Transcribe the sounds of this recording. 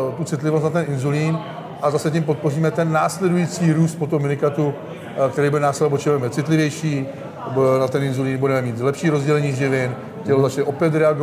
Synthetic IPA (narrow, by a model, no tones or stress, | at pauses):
t̪ut͡sɪt̪lɪvo̞st̪nat̪ɛnʔɪnzuliːn | ʔazasɛcimp̬o̞t̪̚po̞riːmɛt̪ɛnːaːslɛdujiːt͡siːɾuːst̪̚pot̪omɪnɪkat̪u | kt̪ɛɾiːbudɛnaːslɛobot͡ʃɪbɛmɛt͡sɪt̪lɪvjɛjʃiː | nat̪ɛnɪnzuliːnbudɛmɛmiːt̪lɛpʃiːɾo̞zɟɛlɛɲiːʒɪvɪn | cɛlozat͡ʃnɛʔo̞pjɛt̪ɾɛaɡo